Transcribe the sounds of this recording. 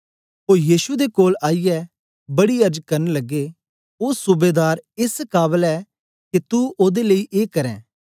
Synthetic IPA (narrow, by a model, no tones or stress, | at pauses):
ɦoːɾjiːʃud̪ekoːlaːijɛ | bɐɽiɐɾd͡ʒkɐɾnelɐɡːe | oːsʊbeːd̪aːɾɪskaːbəlɛ | ket̪uoːd̪eleiʔeːkɐɾɛ̰̃ː